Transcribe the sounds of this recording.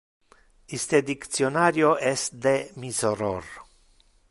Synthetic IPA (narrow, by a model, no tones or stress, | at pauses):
ist̪ed̪ikt̪sijonaɾjoʔest̪d̪emizoɾo̰r